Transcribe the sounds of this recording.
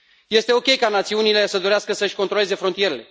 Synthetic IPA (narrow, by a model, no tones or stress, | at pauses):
je̞st̪e̞o̞kʲe̞jkanat̪siunile̞səd̪o̞ɾeaskəsəʃʲkont̪ɾo̞le̞ze̞fɾont̪ije̞ɾe̞le̞